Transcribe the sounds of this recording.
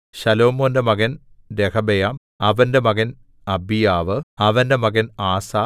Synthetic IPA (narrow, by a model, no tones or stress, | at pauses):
ɕɐloːmoːndemɐɣɐn | dekʰɐbɐjaːm | ɐʋɐndemɐɣɐn | ɐbijaːʋɨɐʋɐndemɐɣɐnaːsaː